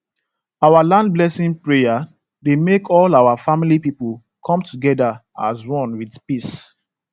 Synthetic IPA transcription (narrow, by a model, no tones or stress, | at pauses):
awalãnd̚blɛsĩŋpɹeja | demekʰɔlaʊwafamilipipəl | kʰɔ̃mtʰuɡɛda | a̰zwɔ̃nwidpis